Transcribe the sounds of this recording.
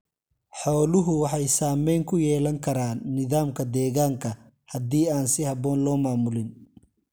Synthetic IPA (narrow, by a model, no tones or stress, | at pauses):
ħɔːlʊɦʊwɑħɑjsaːmɛjŋkʰʊjɛːlɐŋkʰɐɾaːnːɪðaːmkʰɐd̪ɛːɣaːŋkʰɐ | hɐd̪iːaːnsɪhɐβɔːnlɔːmaːmʊlɪn